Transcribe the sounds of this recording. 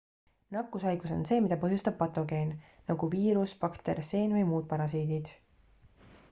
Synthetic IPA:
nɑkːˑusɑjɡ̥uso̞̰nse̞ːmid̪ɑpɤɦjust̪ɑb̥̚pɑt̪ˑo̞ɡe̞ːnː | ɑɡ̥uviːɾuspɑkt̪erse̞ːnvɤjmuːd̪̥̚pɑɾɑs̬iːd̪id̪̥

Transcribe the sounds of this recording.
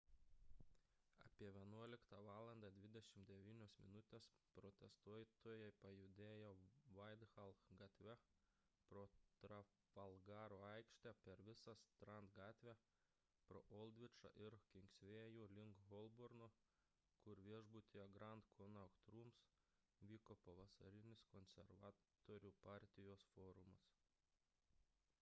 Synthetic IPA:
ɐ̰pʲiɛʋʲiɛnuɔlʲɪkt̪ɑʋɑːlˠɐnd̪ɑːd̪ʲʋʲɪd̪ʲɛʃʲɪmd̪ʲɛʋʲiːnʲoːsmʲɪnʊt̪ʲeːspɾot̪ʲɛst̪uɔjt̪oːjɛɪpɐjʊd̪ʲeːjoːʋɐɪd̪xɐlˠxɡɐt̪ʲʋʲɛ | pɾoːt̪ɾɐ | ʋɐlˠɡɑːɾoːɐɪkʃʲt̪ʲæpʲɛɾʋʲɪsɐst̪ɾɐnt̪ɡɑːt̪ʲʋʲæ | pɾoːʔɔlˠʲd̪ʲʋʲɪt͡ʃɐ̰ʔɪɾkʲɪŋksʲʋʲeːjuːlʲɪŋkɣɔlˠbɔɾno | kʊɾʋʲiɛʒbʊt̪ʲɪjɛɡɾɐnt̪kʰɔnɐkt̪ɾuːms | ʋʲiːkopɐʋɐsɐɾʲɪnʲɪskɔnʲsʲɛɾʋɑːt̪oːɾʲuːpɑːˑɾʲt̪ʲɪjoːsfoːɾʊmɐs

